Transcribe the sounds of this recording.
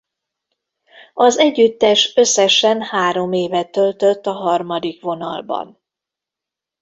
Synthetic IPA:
ɒzɛɟːyt̪ːɛʃø̞sːɛʃɛnhaːɾo̞meːvɛt̪ølt̪øt̪ːɒɦɒrmɒd̪ikʋo̞nɒ̰lbɒ̰n

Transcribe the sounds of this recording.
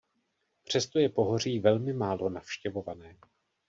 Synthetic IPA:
pr̝̥ɛst̪o̞jɛpo̞ɦo̞r̝iːvɛlmɪmaːlo̞nafʃcɛvo̞vanɛː

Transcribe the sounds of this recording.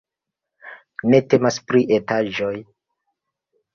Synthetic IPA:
ne̞te̞maspɾiʔetaʒo̞j

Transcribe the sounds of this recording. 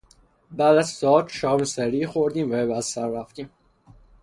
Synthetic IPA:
bæːd̪æzsɒːt̪ʃɒːmsæɾiːxoɾd̪iːmvæbæd̪sæɾːæft̪iːm

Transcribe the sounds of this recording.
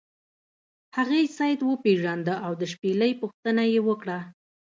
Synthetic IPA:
haɣejsɑjd̪wəpeʒɑnd̪əʔawd̪əʃpeləjpuxt̪ənajewəkɽa

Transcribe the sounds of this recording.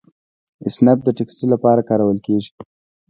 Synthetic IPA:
ɪsnap̚d̪əʈeksʈilːapɑɾakɑɾawəlkeʒi̥

